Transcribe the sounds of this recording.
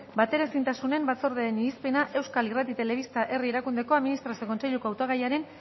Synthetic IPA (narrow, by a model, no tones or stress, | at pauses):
bat̪e̞ɾasint̪asune̞mbat͡so̞ɾðeeniispe̞naʔe̞wskalirat̪it̪e̞le̞β̞ist̪aʔe̞rieɾakund̪e̞ko̞aðminist̪ɾasioko̞nt͡se̞ʎuko̞awt̪oɣajaɾe̞n